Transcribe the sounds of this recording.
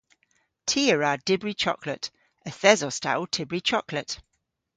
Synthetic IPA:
tʰiəɹad̥ɪbɹit͡ʃʰɔ̰kʰlˠət | əθɛzɔsta̰lˠtʰɪbɹit͡ʃʰɔkʰlˠəʔ

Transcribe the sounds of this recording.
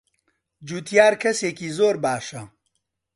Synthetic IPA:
d͡ʒuːt̪ʰijaːɾkʰɐseːkiːzoːɾbaːʃɐ

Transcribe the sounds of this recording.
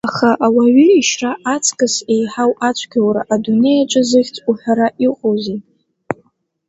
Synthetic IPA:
aχaʔawaɥiiʃraʔat͡sʰʼkʼɨse̞jħawat͡ʃʷʰɡʲawɾaʔadune̞jat͡ʃʷʼɨzɨχʲt͡sʼuħʷᶣaɾaʔiqʼoze

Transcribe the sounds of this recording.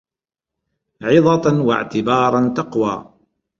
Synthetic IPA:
ʕɪðˤɑt̪nwa̰ʕt̪ɪbɑːɾˤɑnt̪ɑqwa̰ː

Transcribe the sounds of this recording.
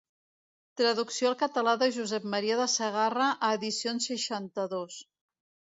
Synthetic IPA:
t̪ɾəðuksijoalˠkət̪əlaðəʒuzɛp̚məɾiəðəsəɣarəʔəːðisionsəʃant̪əðos

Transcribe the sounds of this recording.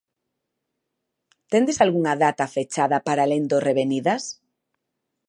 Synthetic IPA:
t̪end̪esalɣuŋaðat̪afet͡ʃaðapaɾalend̪oreβeniðas

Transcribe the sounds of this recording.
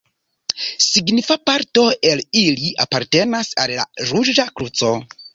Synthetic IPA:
siɡnifapaɾto̞e̞liliʔapaɾte̞nasalːa̰ɾud͡ʒakɾut͡so̞

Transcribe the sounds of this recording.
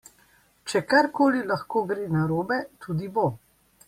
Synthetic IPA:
t͡ʃɛkaɾkoːlilaxkoːɡɾeːnaɾoːbɛt̪ʰuːd̪ibo

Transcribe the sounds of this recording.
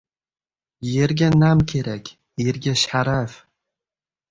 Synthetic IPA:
jeɾɡʲanamkʲʰeɾækʲ | eɾɡʲaʃħaɾaf

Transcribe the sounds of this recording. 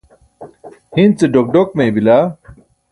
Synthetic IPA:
hint͡seɖok̚ɖok̚mẽːbila

